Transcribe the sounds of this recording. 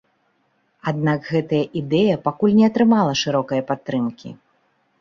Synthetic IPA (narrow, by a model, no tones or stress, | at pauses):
ad̪nakɣɛt̪ɐjɐʔid̪ɛjɐpakulʲnʲɛɐt̪ɾɨmalˠɐʂɨɾɔkɐjɐpat̪ːɾɨmkʲḭ